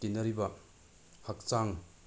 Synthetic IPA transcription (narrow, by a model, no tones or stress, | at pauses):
kinɐɾibɐ | hɐk̚t͡ʃaŋ